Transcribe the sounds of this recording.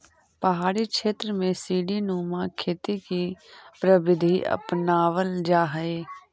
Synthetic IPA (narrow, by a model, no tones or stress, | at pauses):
pəɦaːɽikʃeːt̪ɾəmẽsiːɖinuːmãkʰeːt̪ikipɾəbɪd̪ʱiʔə̰pnaːʋəld͡ʒaːɦəeː